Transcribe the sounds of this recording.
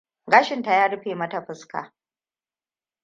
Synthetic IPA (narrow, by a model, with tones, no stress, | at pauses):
ɡaː˦ʃɪ˨nta˨jaː˦ɽɪ˦ɸeː˨mɐ˦ta˨ɸɪ˦ska̰ː˨